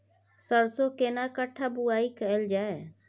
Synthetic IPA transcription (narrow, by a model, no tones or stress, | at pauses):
səɾsokeːnakəʈʰabuaːikəəld͡ʒaːe